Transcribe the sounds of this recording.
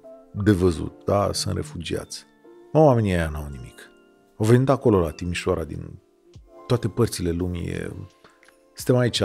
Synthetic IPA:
d̪e̞vəzṵt̪̚d̪asɨnt̪rʔe̞̰fud͡ʒia̰t̪sʲ | naame̞niajanawnimik | awve̞nit̪ako̞lo̞lat̪imiʃoaɾad̪ḭn | t̪oat̪e̞pərt̪sile̞lumḭḛ | sɨ̥̃nt̪emait͡ʃ

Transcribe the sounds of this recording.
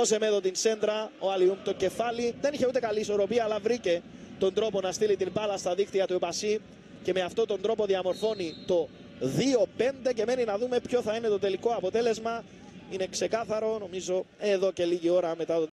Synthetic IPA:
ose̞meðo̞t̪inse̞nd̪ɾɐoɐliumt̪oce̞fɐliðe̞niçe̞ut̪e̞kɐliːso̞ɾo̞piɐːlːɐvɾice̞ | t̪o̞nd̪ɾo̞po̞nɐst̪ilit̪impɐlɐst̪ɐðikt̪iɐt̪uepɐsi | ce̞me̞ɐft̪o̞t̪o̞nd̪ɾo̞po̞ðiɐmo̞ɾfo̞nit̪o̞ | ðio̞pe̞nd̪e̞ce̞me̞ninɐðume̞pço̞θɐine̞t̪ot̪e̞liko̞ɐpo̞t̪e̞le̞zmɐ | ine̞kse̞kɐθɐɾo̞no̞mizo̞eðo̞ce̞liʝio̞ɾɐme̞t̪ɐt̪

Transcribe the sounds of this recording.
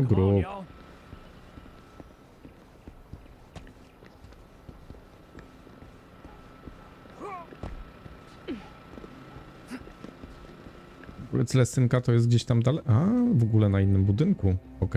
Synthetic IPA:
ɔɡɾu | ɾɛ̰t̪slɛst̪ɘŋkat̪ɔjɛst̪ɡd͡ʑeɕt̪amd̪alɛʔavɔɡulɛnainːɘmbud̪ɘŋku | ɔkɛ

